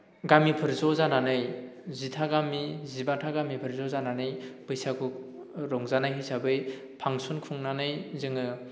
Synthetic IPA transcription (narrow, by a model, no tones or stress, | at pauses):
ɡamipʰɯɾzɔzananɯjzitʰaɡamizibatʰaɡamipʰɯɾzɔzananɯjbɯjsaɡuk̚ | ɾɔŋzanajɦɯjsabɯj | pʰaŋsunkʰuŋnanɯjzɯŋɯ